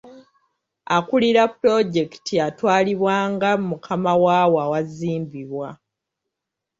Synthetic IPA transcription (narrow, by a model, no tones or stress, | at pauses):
akuliɾapːɾo̞ɟe̞ki̥tʰiatwaːliβwaːŋɡamukʰamawawawaziːmbiβwa